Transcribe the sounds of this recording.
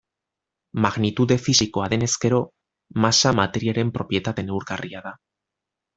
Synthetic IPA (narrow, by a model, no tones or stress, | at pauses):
maɣnit̪uðe̞fisiko̞aðe̞ne̞ske̞ɾo̞ | masamat̪e̞ɾiaɾe̞mpɾo̞pɾje̞t̪at̪e̞ne̞wɾɣariaða